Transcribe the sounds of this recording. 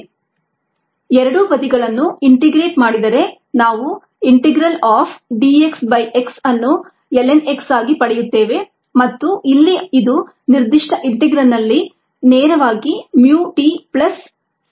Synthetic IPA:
ɛɾɐɽuʋɐd̪iɡɐɭɐnːuiɳʈeɡɾe̞ːʈmaːɽid̪ɐɾe̞ | naːʋu | iɳʈeɡɾɐlaːpɖiːeksbɐjʔeksɐnːu | ɛleneksaːɡipɐɽɛjut̪ːe̞ːʋe̞ | mɐt̪ːuʔilːiid̪u | niɾd̪iʂʈʰɐʔiɳʈeɡɾɐlnɐlːi | neːɾɐʋaːɡimjuːʈipɭɐs

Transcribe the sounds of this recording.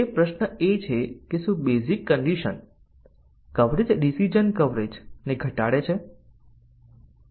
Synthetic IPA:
epɾəʃnəet͡ʃʰekeʃũbezikːəɳɖiʃə̰n | kəʋɾed͡ʒɖisid͡ʒənkəʋɾed͡ʒneɡʱəʈaɽet͡ʃʰe

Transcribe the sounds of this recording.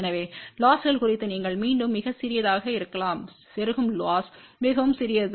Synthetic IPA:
ɛnɐʋeːlaːsɣɐɭkʊrɪt̪ːɯniːŋɡɐɭmiːɳɖɯmːɪɣɐsɪɾɪjɐðaːɣɐɪɾɯkːɐlaːm | sɛɾɯɣɯmlaːsmɪɣɐʋɯmsɪɾɪjɐðɯ

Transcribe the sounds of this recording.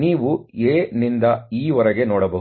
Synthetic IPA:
niːʋueːnind̪ɐiːʋɐɾɐɡe̞noːɽɐbɐɦ

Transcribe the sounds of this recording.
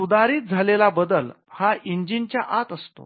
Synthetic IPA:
ud̪aɾiːt̪̚d͡zʱalelabəd̪əl | haiɲd͡ʑint͡ɕjaʔat̪əst̪o̰

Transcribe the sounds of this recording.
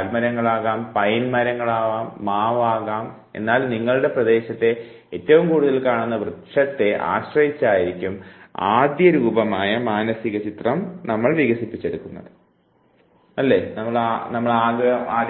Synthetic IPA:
lmɐɾɐŋːɐɭaːɣaːmpɐjnmɐɾɐŋːɐɭaːʋaːmːaːʋaːɣaːm | e̞̰nːaːlniŋːɐɭɨɽe̞prɐd̪e̞ːɕɐt̪ːe̞ | etːɐʋumkuːɽuðɐlkaːɳunːɐʋrɨt̪ʂɐt̪ːe̞ʔa̰ːɕrɐjit͡ɕːaːjiɾikʲːuma̰ːd̪jɐɾuːbɐmaːjɐmaːnɐsiɣɐt͡ɕit̪rɐmnɐmːɐɭʋiɣɐsipːit͡ɕːeɽukːunːɐ̰ðɨ | ɐlːe̞nɐmːɐɭanɐmːɐɭaːɡɐaː

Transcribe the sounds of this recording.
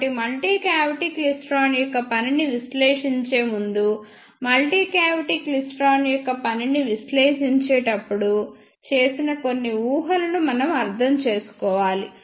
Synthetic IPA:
ʈimɐlʈiːkaːʋiʈiːklisʈɾaːnjɔkːɐpɐniniʋisleːʂiɲt͡ʃe̞ːmund̪u | mɐlʈiːkaːʋiʈiːklisʈɾaːnijɔkːɐpɐniniʋisleːʃiɲt͡ʃeːʈɐpːuɽu | t͡ʃe̞ːsinɐko̞nːiuːɦɐlɐnumɐnɐmɐɾd̪ʱɐmt͡ʃe̞ːsu̥kɔːʋaːli

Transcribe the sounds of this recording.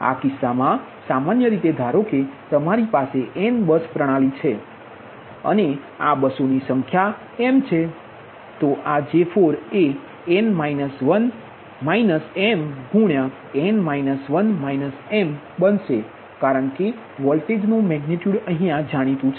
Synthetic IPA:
a̰kɪsːamã | samanjəɾit̪ed̪ʱaɾoket̪əmaɾipaseʔɛnbəspɾəɽ̃alit͡ʃʰe | ə̰ne | abəsonisə̃ŋkʰja | emt͡ʃʰe | t̪oʔad͡ʒefʰoɾe | enmainəsʋən | mainəsemɡʱũɳja | enmainəsʋənmainəsem | bənʃe | kaɾəɳke | ʋɔlʈed͡ʒnũmɛɡniʈjuɽəɦĩjãd͡ʒaɽ̃it̪ũt͡ʃʰ

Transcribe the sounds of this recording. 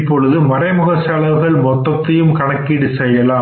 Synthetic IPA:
pːɔɻɯðɯmɐɾɐɪmʊɣɐsɐɭɐʋɯɣɐɭmɔt̪ːɐt̪ːɐjɯmkɐɳɐkːɪɽɯsɛjːɐlaː

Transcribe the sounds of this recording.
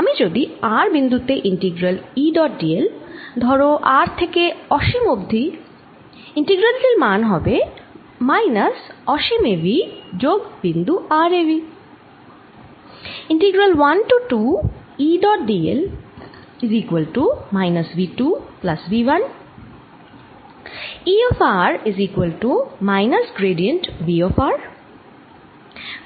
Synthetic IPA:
amid͡ʑod̪iaɾbind̪ut̪eʔiɳʈiɡɾaliɖɔʈ̚ɖield̪ʱɔɾoʔaɾt̪ʰekeɔʃimobd̪ʱi | iɳʈiɡɾəlt̪elmanɦɔbe | majnasɔʃimebid͡ʑoɡbind̪uʔaɾevi | ɪ̃ɳʈiɡɾəlʋɐnʈuʈuː | iːɖɔːʈ̚ɖiːḛl | ɪziːkʋəlʈumaɪnɐsʋiːʈuːplɐsʋiːʋɐn | iːɔːfaːɾiziːkwəlʈumaɪnɐsɡɾeːɖijə̃ɳʈʋiːɔfaːɾ

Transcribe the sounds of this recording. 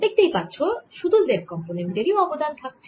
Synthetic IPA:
bek̚t̪ejpatːɕʰoʃud̪uld̪eɾkɔmponemɖ̪eɾioɔbod̪ant̪ʰak̚ʰ

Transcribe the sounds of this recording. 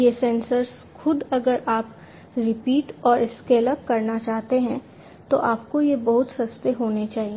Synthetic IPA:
jesɛ̃ːnsəɾz | xʊd̪ɐɡəɾʔaːp | ɾɪpiːʈɔːɾɪskeːləp̚kɐɾnat͡ʃaːɦt̪eɦɛ̃ | t̪oʔaːp̚kojebɐɦʊt̪sɐst̪eɦoːnet͡ʃaːɦie

